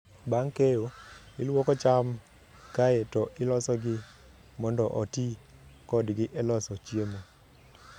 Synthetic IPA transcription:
baŋkejoɪlwɔkɔt͡ʃam | kaetɔʔɪlɔsɔɡɪ | mɔndɔʔɔtikɔdɡɪʔɛlɔsɔt͡ʃjemo

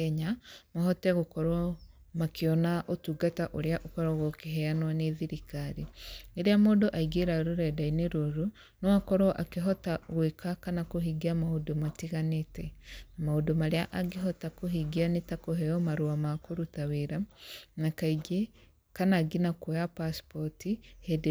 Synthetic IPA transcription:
ɛɲamaɦɔtɛɣokɔɾwa | makeɔnaʔotuɡataʔoɾeaʔokɔɾaɣokeɦɛanwaneðiɾikaɾineɾeamodoʔaiɡeɾaɾoɾɛdaineɾoɾo | nɔakɔɾwɔʔakeɦɔtaɣwekʰakanakoɦiɡiamaodomatiɣanetɛmaodomaɾeaʔaɡeɦɔtakoɦiɡianetakoɦɛɔmaɾuamakoɾutaweɾanakaiɡe | kanaɡinakojapaspɔtihɛd

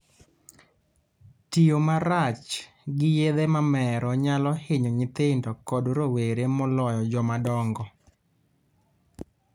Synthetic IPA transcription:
tiomaɾat͡ʃ | ɡɪjed̪emamɛɾɔɲalɔhɪɲɔɲɪt̪ɪndɔkɔdɾoweɾemɔlɔjɔd͡ʒɔmadɔŋɡɔ

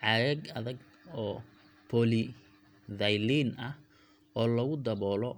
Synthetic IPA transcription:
ʕɑðɛɡɐðɐɡ | ɔː | pʰɔlɪ | ðɐjliːnɐh | ɔːlɐɣʊd̪ɐβɔːlɔ

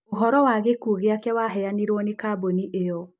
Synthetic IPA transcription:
oɦɔɾɔwaɣekuɣeakɛwaɦɛjaniɾɔnekaboniʔeɔ

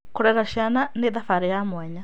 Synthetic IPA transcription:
kʊɾɛɾaʃiananɪðafaɾɛjamwɛɲa

